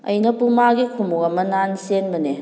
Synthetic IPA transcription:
ɐ̰jnɐpumaɡikʰumukɐmɐnansenmɐne

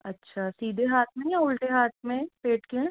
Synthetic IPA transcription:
ɐtːʃʰasiːd̪ʱeɦaːt̪ʰmẽjaʊlʈeɦaːt̪ʰmẽpeːʈkẽ

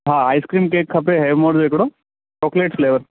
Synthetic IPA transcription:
ɦãajskɾiːmkekʰːəpeɦeʋmoɾd͡zekɽo | t͡ɕɔkleʈfleːʋəɾ

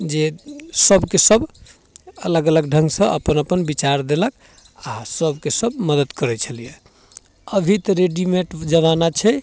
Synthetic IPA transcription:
d͡ʒesəbʱkesəb | ələɡələɡɖʱə̃ŋɡsə̃ʔə̰pənəpənbit͡ʃaɾd̪elək | asəbkesəbməd̪əd̪kəɾɛt͡ʃʰəlijɛ | əbʱit̪əɾeɖimeʈd͡ʒəβanat͡ʃʰɛ

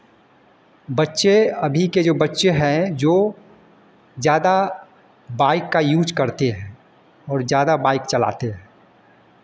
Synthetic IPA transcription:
bɐtːʃeɐbʱiked͡ʒoːbɐtːʃeɦɛ̃d͡ʒoː | zjaːd̪a | baːɪkːajuːd͡ʒkɐɾt̪eɦɛ̃ː | ɔːɾzjaːd̪abaːɪkt͡ʃɐla̰ːt̪eɦɛ̃ː

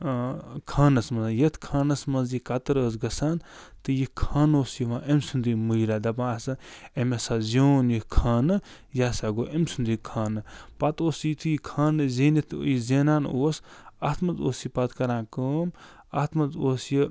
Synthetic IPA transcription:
kʰaːnɐsmɐnzjɐt̪ʰkʰaːnɐsmɐnzikɐt̪ɐɾəːsɡɐsaːn | t̪ɨjikʰaːnoːsjiʋãːʔemsund̪imuiɾaːd̪ɐbãːsɨemesaːzʲoːnjikʰaːnɨ | jaːsaɡoːʔemsund̪ikʰaːnɨpat̪oːsit̪ʰɨjikʰaːnɨzeːnit̪ʰːjizeːnaːnoːsaːt̪ʰmɐzoːsjipɐt̪kɐɾãːkəːm | at̪ʰmɐzoːsji

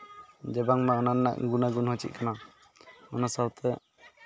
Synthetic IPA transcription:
d͡ʒɛbaŋmaɔnanna̰ʔɡunaɡunhɔt͡ʃḭt̪̚kʰana | ɔnasawt̪ʰɛ

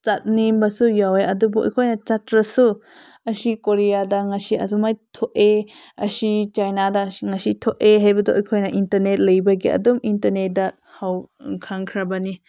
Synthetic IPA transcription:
t͡ʃat̚nimbɐsujaweɐdubuʔɔ̰jkʰojnɐt͡ʃatɾɐsu | ɐsikoɾijadɐŋɐsiɐ̰zumajtʰoʔeɐsit͡ʃajnadɐŋɐsitʰoʔeɦajbɐdoɔjkʰojnɐʔintɐɾnet̚lɐjbɐɡiɐ̰dumintɐɾnet̚dɐ | hawkʰaŋkʰɾɐbɐni

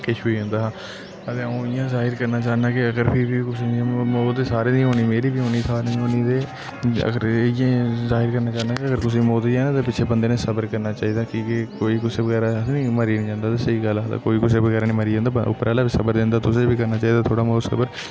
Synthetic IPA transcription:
kɪt͡ʃʰbiːɦõːnd̪aːɦː | ət̪eːõɪjãːzaːɦɪɾkəɾnaːt͡ʃaːnaːkɪəɡəɾpʰiɾbiːkʊsmoːeːsaːɾeːnĩɦoːniːmeːɾiːbiːɦoːniːsʰaːɾenĩːɦoːniːd̪eː | ə̰ɡəɾjãːzaːɦɪɾkəɾnaːt͡ʃaːnaːkeəɡəɾkʊs̬eːmoːt̪iːɛːnaːt̪eːpɪt͡ʃʰeːbənd̪eːnẽːsəbəɾkəɾnaːt͡ʃaːɦiːd̪aːkiːkɪkoːiːkʊseːʋəɡɛːɾaːnĩːməɾiːnĩːd͡ʒãːnd̪aːt̪esəiːɡəlt̪a̰ːkoːiːkʊseːbəɡɛːɾaːnĩːməɾiːd͡ʒãːnd̪aʊ̰pːɾaːlaːbiːsəbəɾd̪ɪ̃ːnd̪aːt̪ʊsẽːbiːkəɾnaːt͡ʃaːiːd̪aːt̪ʰoːɽaːmoːt̪sə̰bəɾ

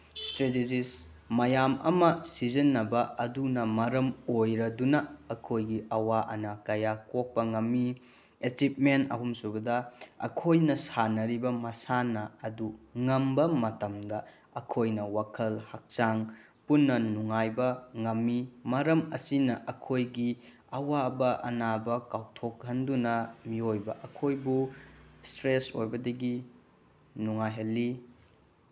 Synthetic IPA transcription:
stɾeted͡ʒis | mɐjamɐ̰mɐsid͡ʒɐnːɐbɐɐdunɐmɐɾɐmojɾɐdunɐɐkʰojɡiʔɐwaʔɐnɐkɐjakok̚pɐŋɐmːi | et͡ʃip̚menɐ̰ɦumsubɐdɐɐ̰kʰojnɐsanɐɾibɐmɐsanɐɐduŋɐmbɐmɐtɐmdɐ | ɐkʰojnɐwakʰɐlhak̚t͡ʃaŋ | punːɐnuŋajbɐŋɐmːimɐɾɐmɐsinɐʔɐkʰojɡi | ɐwabɐʔɐ̰nabɐkawtʰok̚hɐndunɐmiojbɐʔɐkʰojbustɾesojbɐdɐɡi | nuŋajɦɐlːi

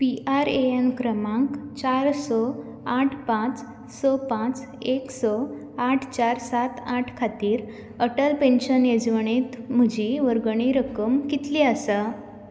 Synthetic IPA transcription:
piʔaɾeemkɾəmãŋkt͡ɕaɾsɔ | aʈʰpãt͡s | sɔpãt͡s | eksɔ | aʈʰt͡ɕaɾsat̪aʈʰkʰat̪iːɾ | əʈəlpẽnɕənjed͡zʋəɳet̪m̤əd͡ʑiʋəɾɡɳ̃iɾəkəmkit̪liəsə

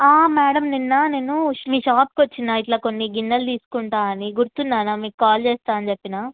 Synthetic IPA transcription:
aːmɛːɽɐmninːaːneːnumiːʃaːp̚kʋɐt͡ʃːinːaːiʈlaːkonːiɡinːɐlt̪iːsu̥kuɳʈaːɐniɡuɾut̪unːaːnamiːkkːaːlt͡ʃeːst̪aːɐnt͡ʃepːinaː

